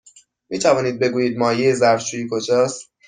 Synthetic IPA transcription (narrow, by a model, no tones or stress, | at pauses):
miːt̪ʰævɒːniːd̪̚be̞ɡuːjiːd̪̚mɒːjejezæɾft͡ʃʰuːjikʰod͡ʒɒːst̪